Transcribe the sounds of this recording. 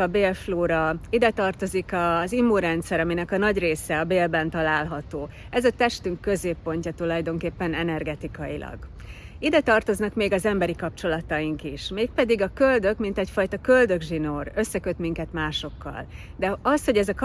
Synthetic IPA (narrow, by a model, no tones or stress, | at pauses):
ɒbeːlfloːɾɒid̪ɛt̪ɒrt̪o̞zikɒzimːuɾɛnt̪sɛɾɒminɛkɒnɒɟreːsɛɒbeːlbɛnt̪ɒlaːlɦɒt̪oː | ɛzɒt̪ɛʃt̪yŋkːø̞zeːpːo̞ɲcɒt̪ulɒjd̪o̞ŋkeːpːɛnɛnɛrɡɛt̪ikɒjilʔɒ̰ɡ | id̪ɛt̪ɒrt̪o̞znɒkmeːɡɒzɛmbɛɾikɒp̚t͡ʃo̞lɒt̪ɒjiŋkiʃmeːk̚pɛd̪iɡɒkøld̪ø̞kmint̪ɛcfɒjt̪ɒkø̞ld̪ø̞ɡʒinorø̞sːɛkø̞t̪miŋkɛt̪maːʃo̞kːɒ̰l | d̪ɛɒsho̞ɟɛzɒk